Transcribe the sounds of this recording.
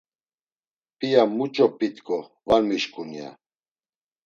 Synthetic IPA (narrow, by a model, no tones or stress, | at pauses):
pʼijamut͡ʃʼɔpʼit̪kʰʼɔ | valmiʃkʼunia̰